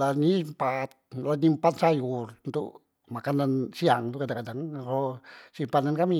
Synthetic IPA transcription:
lanimpat̪̚lanimpat̪sajurnt̪ṵʔ | makanansiaŋt̪uʔkad̪akadaŋɾosimpanankami

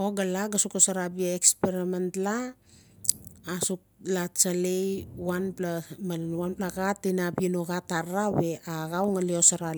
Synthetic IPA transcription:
o̞ɡalaɡasukosaɾabiaekspeɾimentla | suk̚lat͡ʃalejwanplamaanplaɡatːinapinoɡataɾawe̞aɣawŋaleosaɾa

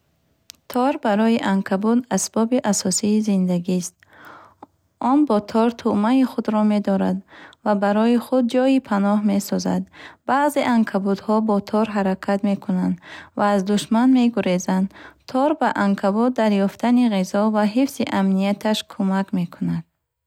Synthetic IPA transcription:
t̪ʰɔɾbaɾɔjiʔaŋkʰabud̪asbɔbiʔasɔsiːzind̪aɡist̪̚ | ɔnbɔt̪ʰɔɾt̪ʰumaiχud̪ɾɔme̞d̪ɔɾa̰d̪vabaɾɔiχud̪̚d͡ʒɔipʰanɔɦme̞sɔza̰d̪baːze̞ʔaŋkʰabud̪hɔbɔt̪ʰɔɾɦaɾakʰat̪me̞kʰunand̪vaːzd̪uʃmanme̞ɡuɾezand̪t̪ʰɔɾbaʔaŋkʰabɔd̪ːaɾjɔft̪ʰaniʁizɔvaɦifsiʔamnijat̪ʰaʃkʰumakme̞kʰunad̪̥̚

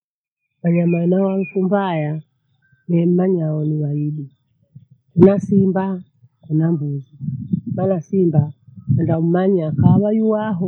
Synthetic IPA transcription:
waɲamanawaŋ̩kumbaja | nɛm̩maɲaɔniwaiɗi | kunasimba | kunambuzimanasimbaandam̩maɲakawajuwaɦɔ

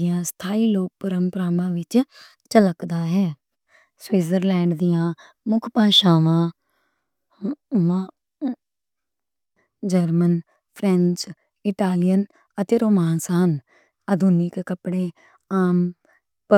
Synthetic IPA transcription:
ɪjãːst̪ʰaːiːloːk̚pəɾəmpəɾaːmãːʋɪt͡ʃ | t͡ʃələkd̪aːɦɛː | swiːzəɾlɛːɳɖd̪ijãː | mʊkʰpaːʃaːʋãː | ʋãː | d͡ʒəɾmən | pʰɾɛ̃ɲt͡ʃ | ɪʈaːlɪjən | ət̪eːɾoːmaːnsaːən | ad̪uːnɪkkəpɽẽː | aːm | pə

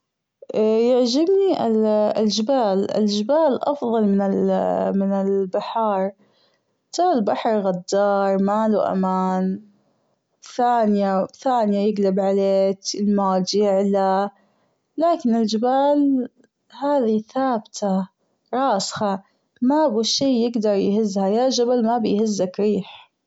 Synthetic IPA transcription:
jaʕd͡ʒɪbniʔɪɪld͡ʒɪbaːlɪ̰ld͡ʒɪbaːlʔɑfðˤɑlmɪnɪlmɪnɪlbaħɑːɾˤ | t̪aːlbaħɑɾˤɣad̪ːɑːɾˤmaːluʔa̰maːn | θaːnɪjaθaːnɪjajɪɡlabʕaleːkɪlmaːld͡ʒɪʕla | laːkɪnɪld͡ʒɪbaːl | haːðiθaːbt̪ʰa | ɾˤɑːsxɑ | mabiʃiːjɪɡd̪ɑɾˤjhɪzːhajad͡ʒabalmabɪjhɪzːakɾiːħ

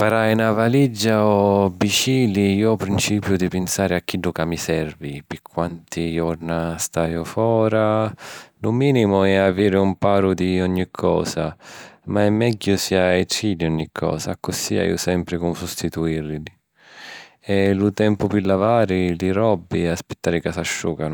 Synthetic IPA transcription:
paɾajnavalid͡ʒːaɔbit͡ʃiːliiːɔpɾint͡ʃiːpjʊd̪ipɪnsaːɾɪakːiɖukamisɛrvipɪkʰːwant̪ijɔrnast̪aːjʊfɔːɾa | lʊmiːnimʊɛaviːɾɪumpaːɾʊd̪iɔɲːikʰːɔ̰ːsamaɛmːɛɟːʊsiaetiliɔɲːikʰːɔ̰ːsakːʊsia̰j̰ʊ̰sɛmpɾɪkʊmsust̪it̪uirlili | ɛlut̪ɛmpʊpɪlːavaːɾiliɾɔbːiaspɪt̪ːaːɾɪkasaʃːṵːkanʊ

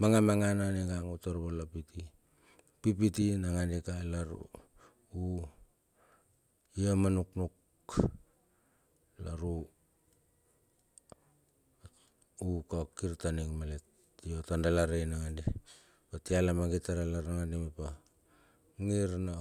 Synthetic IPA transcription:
maŋamaŋananiɡaŋutoɾβolapiti | pip̬itinaŋanikalaɾṵ | u | iamanuknuk | laɾu | ukaokiɾtaniŋmalet | iotandalaɾenaŋandi | patialamaɡitaɾalaɾaŋandimepa | ŋiɾna

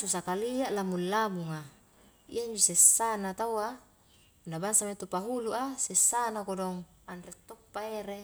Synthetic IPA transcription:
susakaliaʔlamulːamuŋa | ḭaiɲd͡ʒosesːanat̪awa | unːabaŋsamat̪upaɦuluʔasesːanakodɔŋ | andɾet̪ːopːaeɾe

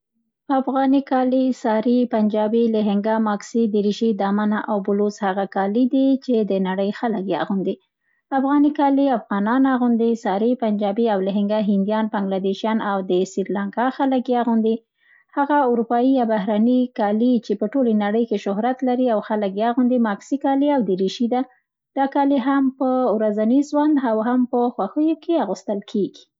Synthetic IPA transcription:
afɣɑnikɑlisɑɾipand͡ʒɑbiləɦɪŋɡamɑksid̪əɾiʃid̪ɑmanaʔawbʊloshaɣakɑlid̪it͡ʃed̪ənaɽəjxaləkjɑ̰ɣund̪i | afɣɑnikɑliafɣɑnɑnaɣund̪isɑɾipand͡ʒɑbiawləɦɪŋɡaɦɪnd̪ijɑnpaŋɡlad̪eʃijɑnawd̪əsiɾlaŋkɑxaləkjɑaɣund̪i | haɣaʊɾupɑjijɑbaɦɾanikɑlit͡ʃepəʈolenaɽəjkeʃʊɦɾat̪laɾiawxaləkjaɣund̪imɑksikɑliawd̪əɾiʃid̪a | d̪̥ɑkɑliɦampəwɾazaniʒwand̪awɦampəxwaxəjokʰeaɣust̪əlkʰeɡi̥

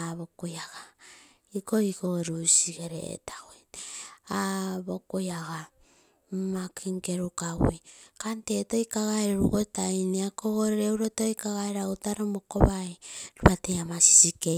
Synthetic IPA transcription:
aβokojaɡa | ikoikoɾusiɡeɾḛḛtaɡojaβokojaɡa | makʰiŋkeɾukawikantetojkaɣaeɾeɾukotajniakoɣoɾeɾewɾotojkaɣaeɾautaɾomokoβajɾuβateamasi̥sike

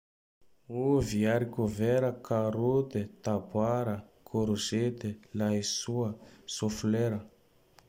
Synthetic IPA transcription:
uviaɾikoveɾəkaɾut̪et̪abwaɾəkʰoɾuzet̪elaisuəsofleɾə

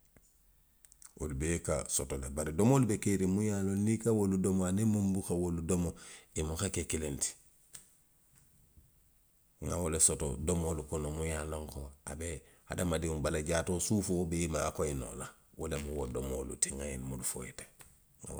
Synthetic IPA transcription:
wo̰lubeka̰sotolebaɾidomolubekeɾimujalonikawoludomoanemumbukawoludomoimuxekekilenti̥ | ŋa̰wolesoto̰domolukonomujaloŋkoa̰beha̰damadiubalaɟatosufuobeimaːkoino̰la | wolemuwodomo̰lṵtiŋajinmudufo̰ite̥ | ŋa̰

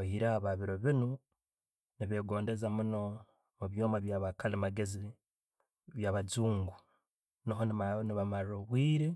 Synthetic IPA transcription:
ahiɾaaβaβiɾo̞βinu | niβe̞ːɡo̞ːnde̞zamuno̞ | muβjo̞ːmaβjaːβakalimaɡe̞zi | βjaβad͡zuːŋɡu | niɦonimaniβamaɾɾoβwiːɾe

